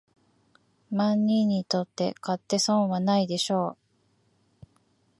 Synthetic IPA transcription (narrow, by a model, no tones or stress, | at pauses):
mãɲːĩɲ̟ːit̪o̞t̪ːe̞̰kat̪ːe̞sõŋ̃βanaid̪e̞ɕo̞ː